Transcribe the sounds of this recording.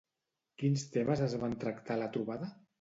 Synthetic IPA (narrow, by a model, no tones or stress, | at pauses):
kinst̪eməzəzβant̪ɾakt̪alət̪ɾuβaðə